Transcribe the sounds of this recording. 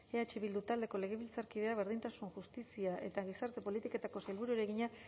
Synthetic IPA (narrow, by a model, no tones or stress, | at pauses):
eat͡ʃiβild̪ut̪ald̪e̞ko̞le̞ɣ̞e̞β̞ilt͡saɾkiðe̞aβ̞e̞ɾð̞int̪asunʝust̪isiaʔe̞t̪aɣ̞isaɾt̪e̞po̞lit̪iko̞t̪ako̞sajlβuɾueɾe̞ɣiɲa